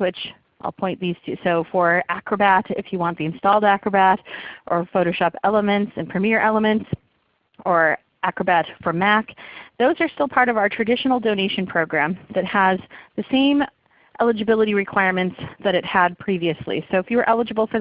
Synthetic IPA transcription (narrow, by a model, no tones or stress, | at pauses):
wɪt͡ʃ | ʔaɪlˠpʰɔ̃ɪ̃nðiz̥tʰɨsoʊfə˞ækɹɨbæɾɪ̰fjɨwɑ̃nðiɨ̃nstɔlˠdækɹəbæɾʔə˞foʊɾoʊʃɑpɛlˠəmɨ̃ntsɨ̃npʰɹ̥ɨmɪɹʔɛlˠəmɨ̃nts | ə˞ | ʔækɹəbætfə˞mækðoʊzə˞stɪlˠpʰɑɹɾʌvaʊə˞tʰɹ̥ɨdɪʃn̩l̩ˠdõʊñeɪʃɨ̃npʰɹ̥oʊɡɹæ̃mðɨt̚həzðɨsẽɪ̃m | ʔɛlˠəd͡ʒɨbɪlˠəɾiɹɨkʰw̥aɪɹmɨ̃ntsðɨɾɨt̚həd̚pʰɹ̥iviɨslḭsoʊɨfjɨwə˞ʔɛlˠəd͡ʒɨbl̩ˠfə˞